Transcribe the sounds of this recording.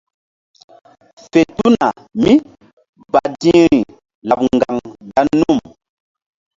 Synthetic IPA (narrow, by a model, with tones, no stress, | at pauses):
fe˨tu˦na˨ | mi˦ | ba˨dĩ˦ɾi˨ | la˨pŋɡa˨ŋda˦nːu˦˨m